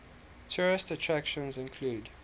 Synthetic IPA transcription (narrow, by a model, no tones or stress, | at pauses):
tʰɔɹɪstətʰɹækʃə̃nzɪ̃nkʰluːd